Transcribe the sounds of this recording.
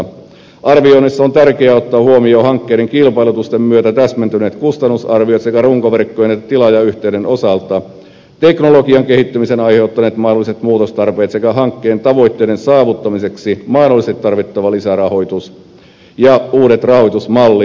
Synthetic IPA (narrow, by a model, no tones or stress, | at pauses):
ʔɑrʋio̞nisːɑont̪ærkeæot̪ːɑːhuomio̞ːhɑŋkːejdeŋkilpɑilut̪ust̪emmyøt̪æt̪æsmænt̪yne̞ːt̪kust̪ɑnːusɑrʋiot̪sekæruŋkoʋerkːojenet̪ːæt̪ilɑjɑyht̪eydenʔo̞sɑlt̪ɑ | t̪e̞knolo̞kiɑŋkehit̪ːymisenɑjhe̞ut̪ːɑneːt̪mɑinolise̞t̪muːt̪ost̪ɑrpeːt̪se̞kæɦɑŋkːeːnt̪ɑʋo̞jt̪ːeːdensɑːʋut̪ːɑmise̞ksimɑinolːˑist̪it̪ːɑrʋit̪ːɑʋɑlisærɑho̞jt̪us | jɑuːɾe̞t̪rɑho̞jt̪usmɑlːi